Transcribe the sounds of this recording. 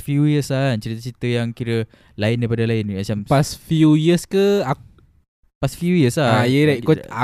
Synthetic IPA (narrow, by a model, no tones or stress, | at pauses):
fjujəslant͡ʃəɾit̪ət͡ʃəɾit̪əjaŋkiɾə | laɪndajpadalaɪnmat͡ʃampasfjujiəskəa | pasfjujəslaajəɾakɔa